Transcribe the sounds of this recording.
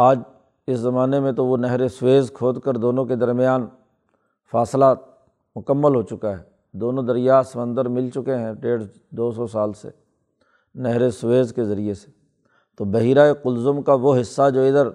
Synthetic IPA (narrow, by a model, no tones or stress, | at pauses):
aːd͡ʒ | ɪszɐmaːnemẽt̪oʋonɛɦɾesʊweːzkʰoːd̪kəɾd̪oːnõked̪ɐɾmɪjaːn | faːslaː | mʊkəmːəlɦoːt͡ʃʊkaɦɛː | d̪oːnõd̪ɐɾɪjaːsɐmə̃nd̪əɾmɪlt͡ʃʊkeɦɛ̃ɖeːɽ | d̪oːs̬ɔsaːlsḛ | nɛɦɾesʊʋeːzkezɐɾiese̥ | t̪oːbɐɦiːɾaeqʊlzʊmkaʋoɦɪsːad͡ʒoːɪd̪əɾ